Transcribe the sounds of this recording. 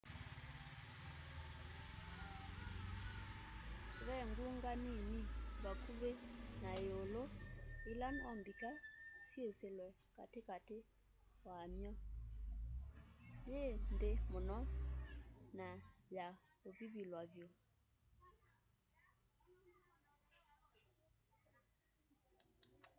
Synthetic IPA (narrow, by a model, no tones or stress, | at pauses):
βɛŋɡuŋɡaniniβakʰuβenaeoloelanwambikasieselwɛ | ka̰tekate | wamjɔ | jeːndemonɔ | naja | oβiβilwavjo